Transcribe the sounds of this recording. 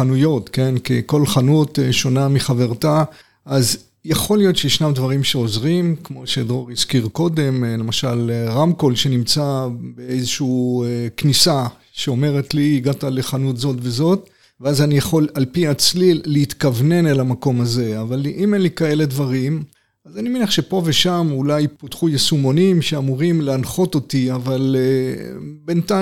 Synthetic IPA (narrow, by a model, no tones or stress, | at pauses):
anujo̞t̪ke̞nkiko̞lχanuteʃo̞namiχave̞ʁt̪a | ʔaz | jaχo̞lijo̞tʃejeʃnamd̪vaʁimʃe̞ozʁimkmo̞ʃed̪ʁo̞ʁiskiʁko̞d̪e̞mle̞maʃalʁamko̞lʃe̞nimt͡sabeejzeʃuknisa | ʃeo̞me̞ʁe̞tliːɡatale̞χanutzo̞tve̞zo̞t̪ | veazanijaχo̞lalpiat͡slileit̪kavne̞nelamako̞maze̞avaliʔimenlikae̞le̞d̪vaʁim | azanimenaχʃe̞po̞ve̞ʃamulajpot̪χujesumo̞nimʃe̞amuʁimleanχo̞to̞t̪iavale | benta